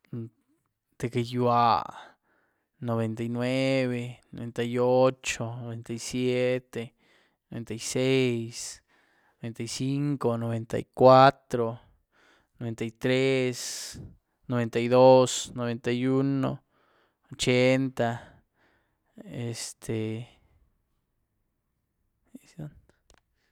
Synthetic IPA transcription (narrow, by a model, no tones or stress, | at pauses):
d̪̥ekejwa | noβent̪ajnweβenoβent̪ajot͡ʃonoβent̪ajsjet̪e | noβent̪ajsejs | noβent̪ajsiŋkonoβent̪a̰jkwat̪ɾo | noβent̪ait̪ɾes | noβent̪ajðosnoβent̪ajuno̰ | ot͡ʃent̪a | est̪ʰe | son